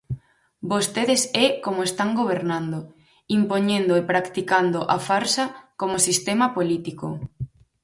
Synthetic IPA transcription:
bost̪eðesɛkomoest̪aŋɡoβ̞eɾnãnd̪o | impoɲẽnd̪oepɾakt̪ikand̪oʔafaɾsɐkomosist̪emɐpolit̪iko̰

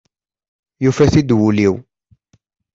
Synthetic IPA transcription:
jufæθid̪wuliw

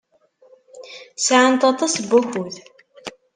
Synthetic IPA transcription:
sʕant̪ɑt̪ˤɑsbuçuð

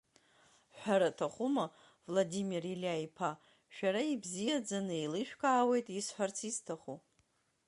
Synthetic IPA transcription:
ħʷᶣaɾatʰaχʷuma | vladimirilʲajpʰa | ʃᶣaɾaibzijad͡zanɨilɨʃᶣkʰʼaːwe̞jtʼisħʷᶣart͡sʰiztʰaχu

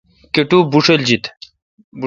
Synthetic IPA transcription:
keʈubuʂeld͡ʑit̪ | b

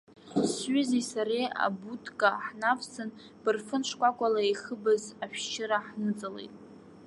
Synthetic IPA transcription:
sɥʏzisaɾea̰butʰʼkʼaħnavsɨn | b̥ɨrfɨnʂʷkʷʼakʷʼalaiχəbɨzaʃʷᶣt͡ʃʰɪɾaħnɨt͡sʼalḛjtʼ

